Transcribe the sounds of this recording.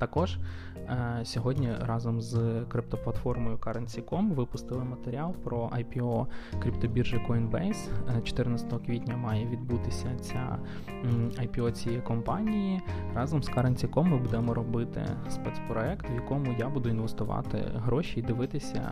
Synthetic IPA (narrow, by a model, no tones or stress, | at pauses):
t̪ɐkɔʒ | sʲɔɦɔdʲnʲirɑzɔmzkɾɪp̚t̪ɔplˠɐt̪fɔrmɔjʊkɑɾɐnʲt͡sʲikɔmʋɪpʊst̪ɪlˠɪmɐt̪eɾʲiɑlˠpɾɔʔɐjpʲiɔkɾʲipt̪ɔbʲirʒɪkɔinbɛjst͡ʃɔ̥t̪ɪrnɐt͡sʲɐ̥t̪ɔɦɔkʋʲitʲnʲɐmɑjɛʋʲid̪but̪ɪsʲɐt͡sʲa̰ | ɐjpʲiɔt͡sʲijɛjkɔmpɑnʲijirɑzɔmskɑɾɐnʲt͡sʲikɔmːɨbud̪ɛmɔɾɔbɪt̪ɪ̰spɛt̪spɾɔɛkt̪ʋjɐkɔmʊjabud̪ʊinʋest̪ʊʋɑ̰t̪ɪ̰ɦɾɔʃiːd̪ɪʋɪt̪ɪsʲɐ̰